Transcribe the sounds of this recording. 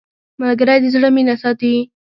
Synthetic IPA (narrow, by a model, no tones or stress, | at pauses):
malɡaɾajd̪əzɽəminasɑt̪i